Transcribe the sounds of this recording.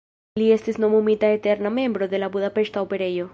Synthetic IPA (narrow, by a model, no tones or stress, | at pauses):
liest̪eznomumit̪aet̪eɾnamẽ̞mbɾoðelaβuðapest̪aopeɾeʝo